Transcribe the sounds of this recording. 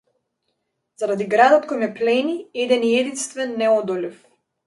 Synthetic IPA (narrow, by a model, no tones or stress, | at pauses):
z̥aɾad̪iɡɾad̪ɔt̪kɔjmɛplɛniɛd̪ɛniɛd̪inst̪vɛnːɛɔd̪ɔlif